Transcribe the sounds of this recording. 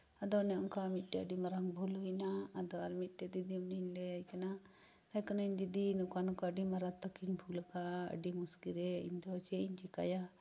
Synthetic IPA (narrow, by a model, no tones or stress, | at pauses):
ad̪ɔnɛunkamit̚ʈɛəɖimɐɾaŋbʱulɦujnaad̪ɔaɾmit̚ʈɛd̪id̪iuninlɛajkana | ajkɔnaind̪id̪inukanukaɖimɐɾat̪ɔkinbʰʱulkaə̰ɖimuskiɾɛḭɲd̪ɔt͡ʃɛiɲt͡ʃika̰ja